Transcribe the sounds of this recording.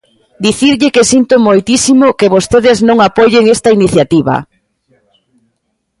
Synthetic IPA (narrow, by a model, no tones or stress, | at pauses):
d̪iθiɾʎɪkesint̪ʊmojt̪isimʊkeβost̪eðɪznõŋapoʎeŋest̪ɐiniθjat̪iβɐ̰